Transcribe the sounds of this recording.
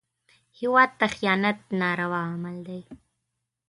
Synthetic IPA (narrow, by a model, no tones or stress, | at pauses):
hɪwɑd̪̚t̪axijɑːnat̪̚nɑɾawɑmald̪aj